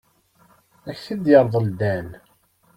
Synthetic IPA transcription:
æçθid̪jəɾˤðˤəld̪æn

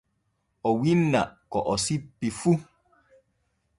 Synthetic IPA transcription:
ɔwinːa̰kɔʔɔsipifu

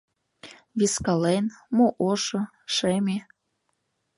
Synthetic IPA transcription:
βiskɑlenmoʔoʃɤ̆ | ʃemʲe

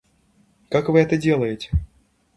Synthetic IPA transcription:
kakvɨɛt̪ədʲelˠəjɪt͡sʲɪ̥

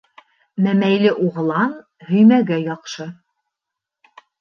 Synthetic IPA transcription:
mæmæjlɘʔuʁɤ̆lˠɑn | hɵ̆jmæɡæjɑqʃɤ

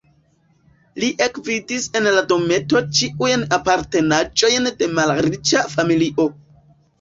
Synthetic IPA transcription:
liʔe̞kvidise̞nlado̞me̞to̞t͡ʃiʔujnapaɾte̞nad͡ʒo̞jnde̞malɾit͡ʃafamiliʔo̞

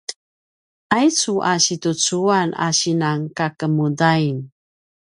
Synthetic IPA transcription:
ʔajt͡suʔaɕitut͡suana̰ɕinaŋkakəmudain

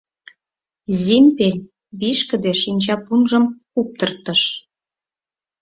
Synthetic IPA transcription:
zʲimʲpelʲ | βiʃkə̆d̪eʃinʲt͡ɕɑpunʒə̆mkup̚t̪ərt̪əʃ

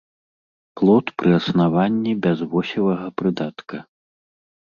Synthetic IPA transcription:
plˠɔt̪pɾʔɨɐsnavanʲːibʲazvɔsʲilˠɐɣɐpɾɨd̪at̪kɐ

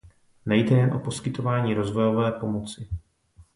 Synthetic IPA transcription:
nɛjdɛjɛnʔopo̞skɪt̪o̞vaːɲiːɾo̞zvo̞jo̞vɛːpo̞mo̞t͡sɪ

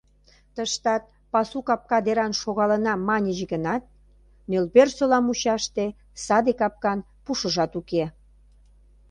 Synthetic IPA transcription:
t̪əʃt̪ɑt̪̚ | pɑsukɑp̚kɑd̪eɾɑnʃoɣɑlənɑmɑnʲəʑeɡənɑt̪̚ | nølbersolɑmuɕɑʃt̪e | sɑd̪ekɑp̚kɑn | puʃəʒɑt̪uke

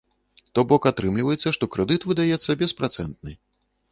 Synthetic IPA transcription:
t̪ɔbɔkat̪ɾɨmlʲivɐjɛt̪sːɐʂt̪ɔkɾɛd̪ɨt̪vɨd̪ajɛt̪sːɐbʲɛspɾat̪sɛnt̪̚nɨ

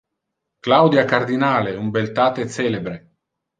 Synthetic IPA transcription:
klawd̪jakard̪inaːleumbelt̪aːt̪et̪sɛːlebɾe

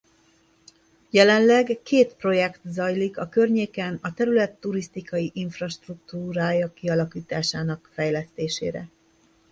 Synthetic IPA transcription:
jɛlɛnlɛɡkeːt̪pro̞jɛkt̪zɒjlikɒkørɲeːkɛnɒt̪ɛɾylɛt̪ːuɾist̪ikɒjiʔiɱfrɒʃt̪rukt̪uːɾaːjɒkiɒlɒkiːt̪aːʃaːnɒkfɛjlɛst̪eːʃḛːɾɛ̰

